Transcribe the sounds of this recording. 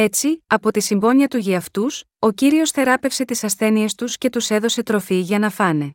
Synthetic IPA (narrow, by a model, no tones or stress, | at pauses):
e̞t͡siɐpo̞t̪isimbo̞ɲiɐt̪uʝiɐft̪us | ociɾio̞sθe̞ɾɐpe̞fse̞t̪isɐsθe̞nie̞st̪usce̞t̪use̞ðo̞se̞t̪ɾo̞fiʝɐnɐfɐne̞